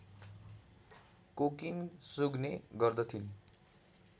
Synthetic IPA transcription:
kokiŋsuɡneɡʌrd̪ʌt̪ʰin

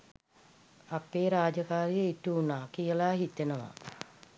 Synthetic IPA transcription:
apeːɾaːd͡ʒəkaːɾijəiʈuunaːkijəlaːɦit̪enəʋa̰

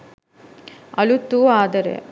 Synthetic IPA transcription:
ɐɭut̪ːuaːd̪ɐɾḛ

